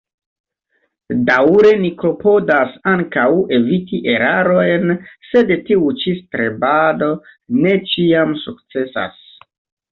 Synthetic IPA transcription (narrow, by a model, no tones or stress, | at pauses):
dawɾe̞niko̞po̞dasaŋkawe̞vitiʔe̞ɾaɾo̞jnse̞dtiut͡ʃistɾe̞bado̞ne̞t͡ʃiamsuk̚t͡se̞sa̰s